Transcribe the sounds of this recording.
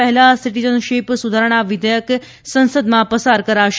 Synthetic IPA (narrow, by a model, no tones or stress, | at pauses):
əɦɛlasiʈid͡ʒənʃipsud̪ʱaɾəɽ̃aʋɪd̪əjək | sə̃nsəd̪mãpəsaɾkəɾaʃ